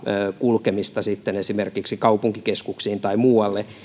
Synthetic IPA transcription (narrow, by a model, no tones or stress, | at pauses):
kulkemist̪ɑsit̪ːenesimerkiksikɑupuŋkikeskuksiːnt̪ɑimuːɑlːe